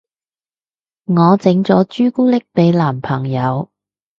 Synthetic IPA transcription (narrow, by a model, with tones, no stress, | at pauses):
ŋɔː˨˧t͡sɪ˨˥ŋt͡sɔː˨˥t͡ʃyː˥kuː˥lɪ˥k̚pe˨˧jlaː˨˩mpʰɐ˨˩ŋjɐ˨˧w